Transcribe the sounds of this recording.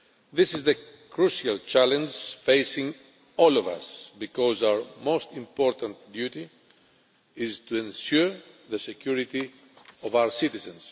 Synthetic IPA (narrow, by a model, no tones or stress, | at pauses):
ðɪsizðəkɹuʃialt͡ʃalɛ̃nd͡ʒfejsĩŋ | ɔlɔva̰sbikɔzawə˞most̪ĩmpɔɾt̪ãnt̪d̪jut̪i | ɪzt̪uɛ̃nsjuɹ | ðəsɛkʰjuɾit̪i | ɔvawə˞sit̪izə̃ns